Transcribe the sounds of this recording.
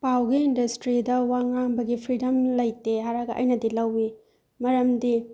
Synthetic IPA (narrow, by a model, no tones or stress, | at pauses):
pawɡiːndɐstɾidɐwaŋaŋbɐɡipʰɾidɐmlɐjteɦaɾaɡɐʔɐ̰jnɐdilɐwi | mɐɾɐmdi